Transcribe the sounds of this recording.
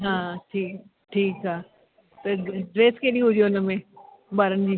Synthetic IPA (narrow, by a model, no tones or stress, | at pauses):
ɦãːʈʰiːk | ʈʰiːkɦaː | t̪ɐɖɾeːskeːɗĩɦʊd͡ʑoɪnəmẽ | baːɾənɪ̆d͡ʑiː